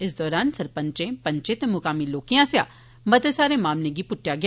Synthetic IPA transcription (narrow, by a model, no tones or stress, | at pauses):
ɪsd̪ɔːɾaːnsɐɾpə̃ɲt͡ʃẽpɐ̃ɲt͡ʃẽt̪emʊkaːmiloːkijãsja | mɐt̪esaːɾẽmaːmneɡipʊʈːjaɡɪ